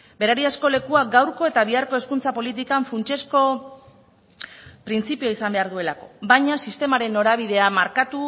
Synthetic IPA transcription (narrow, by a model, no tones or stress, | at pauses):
be̞ɾaɾiasko̞le̞kuaɡawɾko̞e̞t̪aβ̞iaɾko̞e̞skunt͡sapo̞lit̪̬ikaɱfunt͡ʃe̞sko̞ | pɾint͡sipioisambe̞aɾðue̞lako̞bajɲasist̪e̞maɾe̞nːo̞ɾaβ̞iðe̞amaɾkat̪u